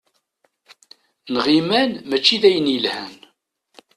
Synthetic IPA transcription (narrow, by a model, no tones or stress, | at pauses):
nʁimænmæt͡ʃːiðæjənjəlhæn